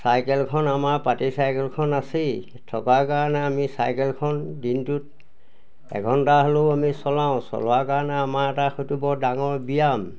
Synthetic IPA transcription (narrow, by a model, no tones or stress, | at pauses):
sajkɛlkʰɔnamaɹpatisajkɛlkʰɔnasi | tʰɔkakaɹanɛamisa̰jkɛlkʰɔndintut̚ | ɛ̰ɡʱɔntaɦɔloamisɔlãʊ̃sɔ̰lɔakaɹanɛamaɹɛtaxojtubɔdaŋɔɹbijam